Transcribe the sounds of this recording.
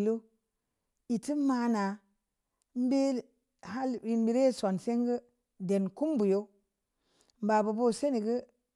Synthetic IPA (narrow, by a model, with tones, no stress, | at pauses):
lo˦ | i˨ti˦ma˦na˨ | m̩˦be˦ | ha˦li˨˦bi˨ɾe˦˨so˨nse˦ŋɡə˦ | de˨nku˦mbu˨jo˦ | m˨ba˨bu˨bo˦se˦ni˨ɡə˦